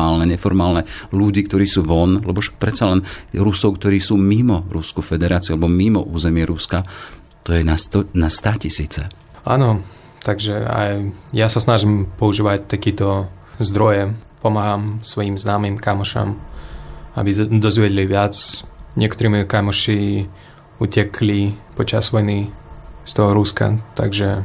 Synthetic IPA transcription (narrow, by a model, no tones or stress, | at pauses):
aːlnɛɲɛfɔɾmaːlnɛluɟiːkt̪ɔɾiːsuːʋɔnlɛbɔʃḁk̚pɾɛt̪t͡salɛnɾusɔʊkt̪ɔɾiːsuːmimɔɾuskufɛd̪ɛɾaːt͡siualɛbɔmimɔ̰ʔuːzɛmɪɛɾuska | t̪ɔjɛnaɔnast̪aːcisḭːt͡sɛ̰ | a̰nɔ | t̪aɡʒɛa̰jjasasnaʒimpɔuʒiːʋac̚t̪akiːt̪ɔ | zd̪ɾɔjɛ | pɔmaɦamsʋɔjimznaːmimkamɔʃa̰m | a̰bid̪ɔzʋɪɛɟliʋɪat͡sɲɪɛkt̪ɔɾiːmɔjɔkamɔʃi | uːcɛkʰlipɔt͡ʃazʋɔjnist̪ɔɦɔɾuska̰t̪a̰ɡʒɛ